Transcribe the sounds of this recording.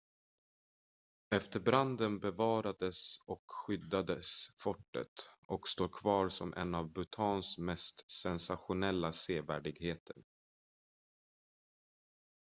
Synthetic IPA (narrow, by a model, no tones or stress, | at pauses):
ɛft̪əɾbɾand̪ənbɛvɑːɾad̪əsɔkɧʏd̪ːad̪əsfɔʈːə̰t̪ɔkst̪oːkʰvɑːɾsɔmʔɛ̰nːavbɵt̪ʰɑːnsmɛst̪sɛnsaɧʊnɛlːaseːvæ̰ːɖɪɡheːt̪ʰəɳ